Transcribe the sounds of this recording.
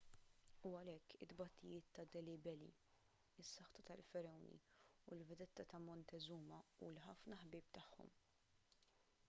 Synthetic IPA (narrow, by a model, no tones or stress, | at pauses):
uɐlɛkːɪd̪bɐt̪ːɪjɪːt̪ːɐd̪ɛlɪbɛlḭ | ɪsːɐħt̪ɐt̪ɐlfɛɾɛwnḭulvɛd̪ɛt̪ːɐt̪ɐmɔnt̪ɛzuːmɐṵːlħɐfnɐħbiːpt̪ɐħːɔ̰m